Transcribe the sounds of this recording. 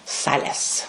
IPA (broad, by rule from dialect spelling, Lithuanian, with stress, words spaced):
ˈsɑːlʲɛs